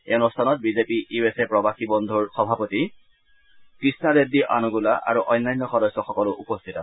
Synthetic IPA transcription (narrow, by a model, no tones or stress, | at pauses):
enustʰanɔt̚bizepiʔiesɛpɹɔbaxibɔndʱuɹxɔbʱapoti | kɹisnadediʔanuɡulaʔa̰ɹuʔɔjnːajnːɔxɔdɔsɔxɔkɔlʊʔupɔstʰita